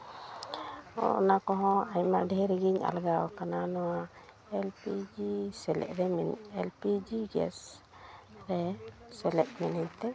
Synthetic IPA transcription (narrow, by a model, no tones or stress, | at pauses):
ɔ̰ɔnakɔɦɔ̃ajmaɖʱɛɾiɡiɲa̰lɡawkananɔwa | ɛlpid͡ʒisɛlɛ̰ʔɾɛmɛnɛlpid͡ʒiɡɛ̰s | ɾɛsɛlɛʔ̪̚mɛnɛɲt̪ɛ